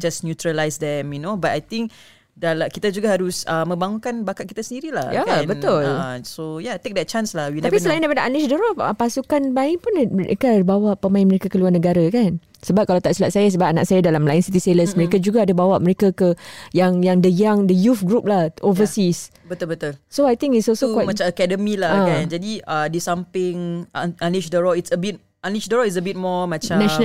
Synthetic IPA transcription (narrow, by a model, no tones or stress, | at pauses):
d͡ʒasnjut̪ɾalajsd̪ɛmjunobatajt̪ĩŋk | dalakit̪ad͡ʒuɡaɦaɾusəmːə̃mbaŋunkanbakat̪̚kit̪asəndiɾila̰jakbənt̪ʊlsojat̪ek̚d̪ɛt̚t͡ʃãnslahwilaapisəlajĩndaipadaalisdɔɾɔfəpasukanbaɪʔpʊn̰kabawaʔpəmãɪnməɾekakəluarnəɡaɾakan | səbap̚kalawt̪aʔsilaʔ̪̚sajas̬əbap̚ana̰k̚sajadalamlaɪnsit̪iseləsməɾekad͡ʒuɡaːdabawaʔməɾekakəjaŋjaŋdəjaŋdəjufɡɾup̚lahʔovəsis | bət̪ulbət̪ulsoajt̪ĩŋitsɔlsokwajmat͡ʃaakɛdəmilaakand͡ʒadiədisampɪŋanliʃdəɹɔitsəbit̚ | aliʃdəɾɔis̬əbit̚mɔmat͡ʃãnaʃn